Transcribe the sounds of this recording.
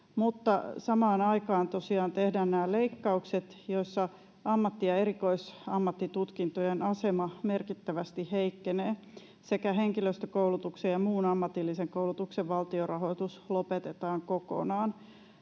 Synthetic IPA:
mut̪ːɑsɑmɑːnɑikɑːnt̪o̞siɑːnt̪ehdæːnnæːleikːɑukset̪joisːɑ | ɑmːɑt̪ːijɑeɾikoisɑmːɑt̪ːit̪ut̪kint̪ojenɑsemɑmerkit̪ːæʋæst̪iheikːeneː | sekæɦeŋkiløst̪økoulut̪uksejjɑmuːnɑmːɑt̪ilːiseŋkoulut̪ukseʋʋɑlt̪iorɑɦo̞t̪uslopet̪et̪ɑːŋkoko̰nɑːn

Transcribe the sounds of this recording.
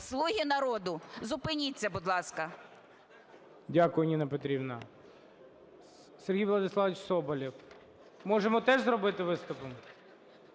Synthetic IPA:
slˠuɦʲinɐɾɔd̪ʊzʊpɪnʲit͡sʲːɐbʊd̪lˠɑskɐ | dʲakʊjʊnʲinɐpɔt̪ɾʲibnɐ | serɦʲijʋlˠɐd̪ɪsˠɑʋʲit͡ʃsɔbɔlʲiw | mɔʒemɔt̪ɛʒzɾɔbɪt̪ɪʋɪst̪ʊpɔm

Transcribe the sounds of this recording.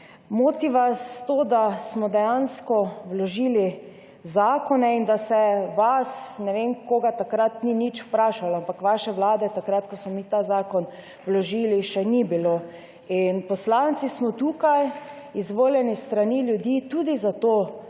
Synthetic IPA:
moːt̪iʋast̪oːd̪asmɔd̪ɛjanskɔwlɔʒiːli | zaːkɔnɛind̪asɛʋasnɛʋenkoːɡat̪akɾat̪ninit͡ʃw̥pɾaːʃalɔampakʋaʃɛʋlaːd̪ɛt̪akɾat̪kɔsmɔmit̪aːzaːkɔn | wlɔʒiliʃɛnibilo | inpɔslant̪sismɔt̪ukaj | izʋoːljɛnist̪ɾaniljud̪iːt̪ud̪izat̪oː

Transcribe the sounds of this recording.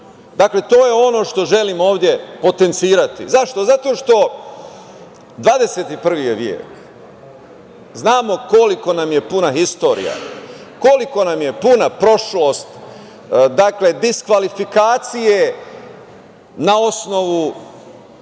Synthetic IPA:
d̪akle̞t̪o̞ːjeo̞no̞ːʃt̪o̞ʒe̞limo̞ːʋd̪je̞po̞t̪e̞nt̪siːɾat̪ḭzaʃt̪o̞zat̪o̞ːʃt̪o̞ | d̪ʋaːd̪e̞se̞t̪ipr̩ʋijeʋjḛːk | znaːmo̞ko̞liko̞namje̞punaɦist̪o̞ːɾḭja̰ko̞liko̞namje̞punapɾo̞ʃlo̞ːst̪ | d̪akle̞d̪iskʋalifikaːt̪sije | nao̞sno̞ʋu

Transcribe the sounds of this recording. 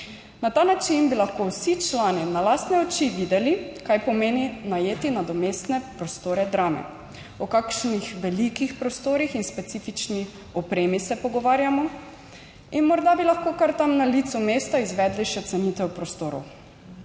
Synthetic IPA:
nat̪aːnat͡ʃinbilaxkowsit͡ʃlaːninalaːst̪nɛɔt͡ʃiʋiːd̪ɛlikajpɔmeːninajeːt̪inad̪ɔmeːst̪nɛpɾɔst̪oːɾɛd̪ɾaːmɛ̰ | ɔkakʃnixʋɛlikixpɾɔst̪oːɾixinspɛt̪siːfit͡ʃni | ɔpɾeːmisɛpɔɡɔʋaːɾjamɔ | inmɔɾd̪abilaxkoːkaɾt̪amnalit̪sumeːst̪aizʋɛːd̪liʃɛt̪sɛniːt̪ɛwpɾɔst̪oːɾɔ̰w

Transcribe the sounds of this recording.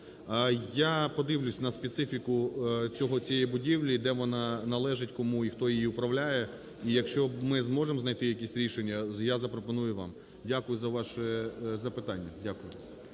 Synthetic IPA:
japɔd̪ɪʋlʲʊsʲnɐspʲet̪sɪfʲikʊt͡sʲɔɦɔt͡sʲijɛɛjbʊdʲiʋlʲid̪ɛʋɔnɑnɐlˠɛʒɪtʲkɔmuixt̪ɔjijiʊpɾɐʋlʲajɛ | ijɐkʃt͡ʃɔmɪzmɔʒemznɐjt̪ɪjɐkisʲɾʲiʃenʲːɐjazɐpɾɔpɔnujʊʋɑ̰m | dʲakʊjʊzɐʋɑʃɛzɐpɪt̪ɑnʲːɐdʲakʊjʊ

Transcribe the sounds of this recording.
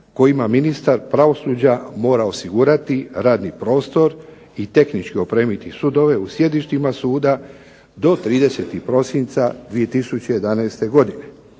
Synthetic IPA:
ko̞jimaminist̪aɾpɾaʋo̞suːd͡ʑamo̞ːɾao̞siɡuːɾat̪iɾaːd̪nipɾo̞ːst̪o̞ɾ | it̪e̞xnit͡ʃkio̞pɾeːmit̪isud̪o̞ʋe̞usje̞d̪iʃt̪imasuːd̪a | d̪o̞t̪ɾiːd̪ese̞ːt̪ixpɾo̞sint̪sad̪ʋije̞t̪isut͡ɕeje̞d̪anajst̪e̞ɡo̞d̪ine̞

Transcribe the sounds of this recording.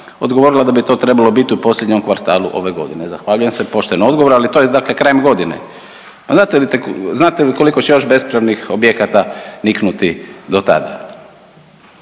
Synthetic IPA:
o̞̰d̪ɡoʋo̞ɾilˠad̪abit̪o̞ːt̪ɾe̞balˠo̞bit̪iupo̞sʎʲed̪ɲo̞mkʋaɾt̪aːlṵʔo̞̰ʋe̞ɡo̞̰d̪inezaxʋaʎuje̞msepo̞ʃt̪enoo̞d̪ɡooɾalit̪ojed̪akle̞kɾajemɡo̞d̪inḛ | paznaːt̪elit̪eznaːt̪eko̞liko̞t͡ɕejo̞ʃbe̞spɾaʋnixo̞bjekat̪aniknut̪id̪o̞t̪a̰d̪a̰

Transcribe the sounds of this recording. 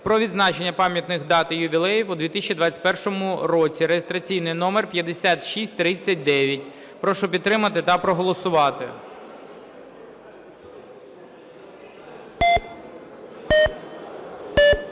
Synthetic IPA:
pɾɔʋʲid̪znɑt͡ʃenʲːɐpɑmʲjɐt̪nɪxd̪ɑt̪ɪjʊʋʲilˠɛjiwʊd̪ʋʲit̪ɪsʲt͡ʃːid̪ʋɑt͡sʲt̚ʲpɛrʃɔmʊɾɔt͡sʲiɾejest̪ɾɐt͡sʲijnɪjnɔmɛrpʲjɐd̪esʲat̪ʃisʲtʲt̪ɾɪt͡sʲːɐt̚ʲd̪ɛʋʲjɐtʲ | pɾɔʃʊpʲid̪t̪t̪ːɾɪmɐt̪ɪt̪ɐpɾɔɦɔlˠɔsʊʋɑt̪ɪ̰

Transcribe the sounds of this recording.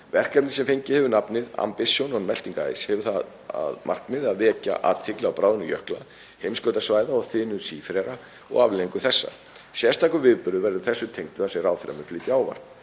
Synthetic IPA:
vɛr̥kɛpnɪsɛmfeɲcɪhɛvʏnapnɪða̰mpɪsjɔnɔnmɛl̥t̪iŋka̰jshɛvʏθa | a̰ðmʔar̥knɪðaðvɛːca̰ʔa̰ðt̪ʰɪklaawpɾaːwðnʏjœhkla | hejmsklœːwt̪asvaːjðaɔɣθɪːnʏsiːfɾɛɾa | ɔ̰ɣavlɪiŋkʏθɛsːa̰ | sjɛst̪ʰaːkʏvɪðpʏɾðʏvɛɾðʏθɛsːʏt̪ʰejŋt̪ʏ̥θasɪraːwθɾɛ̰mʏflɪːt̪jɪawva̰r̥t̪n̥

